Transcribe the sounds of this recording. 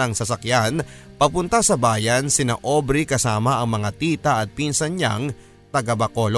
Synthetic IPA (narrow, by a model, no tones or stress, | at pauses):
ɐŋsɐsɐkjanpɐpʊnt̪ɐsɐbaːjɐnsɪna̰ʔo̞ːbɾɪkɐsaːmɐʔɐŋmɐŋat̪iːt̪ɐʔɐt̪̚pinsɐnɲa̰ŋ | t̪ɐɡabɐkol